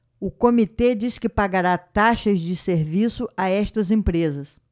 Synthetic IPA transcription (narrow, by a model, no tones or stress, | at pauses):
ʊkomit̪ed͡ʒiskɪpaɡaɾat̪aʃɐzd͡ʒɪseɾvisʊaɛst̪ɐzẽpɾezɐs